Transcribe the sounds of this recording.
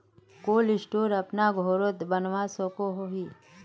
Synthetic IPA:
koːlɪsʈoːɾɐpnaɡʱoːɾot̪bənʋasokoɦoɦiː

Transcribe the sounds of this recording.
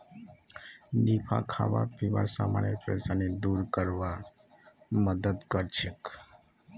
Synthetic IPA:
nipʰa̰kʰa̰ʋa̰pʰiʋa̰ɾsamanjəpɾesaned̪uːɾkəɾʋa | məd̪əd̪kəɾt͡ʃʰek

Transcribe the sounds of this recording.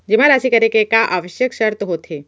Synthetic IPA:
d͡ʒimaɾaːsikəɾekekaʔaːʋəʃjəkʃɐɾt̪ɦoːt̪ʰe

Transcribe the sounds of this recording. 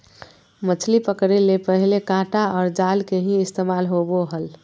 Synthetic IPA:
mət͡ʃʰlipəkɾelepəɦilekãʈaɔːɾd͡ʒalkeɦĩɪst̪emalɦoboɦəl

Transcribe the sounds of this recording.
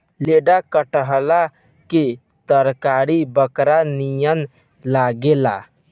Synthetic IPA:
leɖakəʈəɦla | ke | t̪əɾkaɾibəkɾanijən | laɡela̰

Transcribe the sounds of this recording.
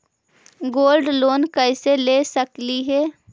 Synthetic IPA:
ɡoːlɖloːnkəɪselesəkliɦɛː

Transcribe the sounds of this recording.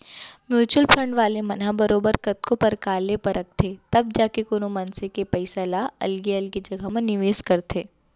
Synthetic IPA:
mjuːt͡ʃuəlfʰɾə̃ɳɖʋaːlemɐnɦabɐɾoːbəɾkɐt̪kõpɐɾkaːlepɐɾɐk̚ʰt̪ʰet̪ɐb̚d͡ʒaːkekoːnomɐnsekepɛɪsalaɐ̰lɡiɐlɡid͡ʒɐɡamẽnɪʋeːskɐɾt̪ʰeː

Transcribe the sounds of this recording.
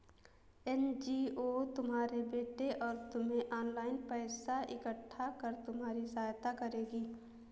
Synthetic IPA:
ɛnd͡ʒiːot̪ʊmɦaːɾebeːʈeʔɔːɾt̪ʊmɦẽʔɔːnlaːɪnpɛːsaʔɪkəʈʰːakəɾt̪ʊmɦaːɾisaːjt̪akəɾeːɡiː

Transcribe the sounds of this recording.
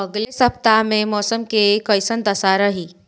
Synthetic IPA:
əɡlesəp̚t̪amẽmɔːsəmkeːkəjsənd̪əsaɾəɦiː

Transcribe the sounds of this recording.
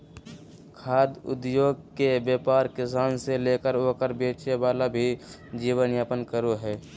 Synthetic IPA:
kʰaːd̪ʊ̰d̪joːɡkebjaːpaːɾkɪsaːnseleːkəɾoːkəɾbeːt͡ʃeʋaːlabʱi | d͡ʒiːwənjaːpənkəɾoɦɛː

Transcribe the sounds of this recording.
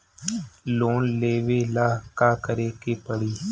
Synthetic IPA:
loːnleːʋeːlaːkaːkəɾeːkeːpəɽiː

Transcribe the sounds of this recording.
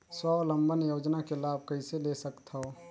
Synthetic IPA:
swalə̃mbʱənjoːd͡ʒnakelaːb̚ʱkəiselesəkt̪ɦo

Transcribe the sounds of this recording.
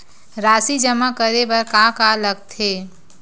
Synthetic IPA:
ɾaːsid͡ʒəmakəɾebəɾkakaləɡ̚t̪ʰeː

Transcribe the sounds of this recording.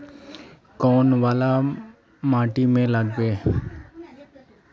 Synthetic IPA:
kɔːnʋaːla | maːʈimẽləɡbeː

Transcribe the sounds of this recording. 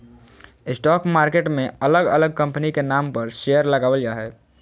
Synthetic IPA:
ɪsʈɔːkmaːɾkeʈmẽələɡə̰ləɡ̚kə̃mpənikenaːmpəɾʃejəɾləɡaːʋəlijaɦɛː

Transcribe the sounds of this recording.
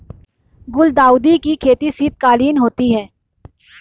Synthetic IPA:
ɡʊld̪aːʊd̪ikikʰeːt̪isiːt̪̚kaːliːnɦoːt̪iɦɛː

